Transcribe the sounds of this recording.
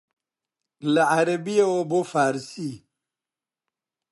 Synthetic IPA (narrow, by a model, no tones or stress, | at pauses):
lɐaɾɐbijeobofaːɾsi